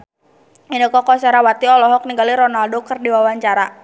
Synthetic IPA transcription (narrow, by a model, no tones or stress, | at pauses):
inəkɔkɔsɛɾawat̪iɔlɔɦɔk̚niŋɡaliɾɔnaldokərdiwawaɲt͡ʃaɾa